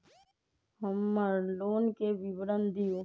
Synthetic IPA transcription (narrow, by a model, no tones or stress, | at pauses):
ɦəmːəɾloːnkeʋɪʋɾənd̪ɪjoː